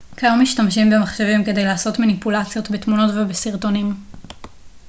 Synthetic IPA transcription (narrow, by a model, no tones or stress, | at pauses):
kajomːiʃtamʃimbemaχʃevimke̞de̞jlaːso̞tmanipulat͡sjo̞tbetmuno̞tvebesiʁto̞nim